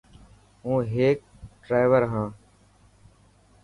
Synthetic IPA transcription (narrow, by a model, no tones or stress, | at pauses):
ɦũːɦeːk̚ | ɖɾaːɪʋəɾɦãː